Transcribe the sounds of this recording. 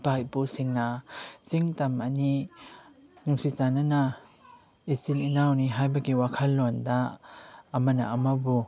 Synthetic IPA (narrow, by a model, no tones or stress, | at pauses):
bajbusiŋnasiŋtɐmɐni | nuŋsizanana | isininawniɦajbɐɡiwakʰɐlːɔndaː | mɐnɐ̰ɐmɐbu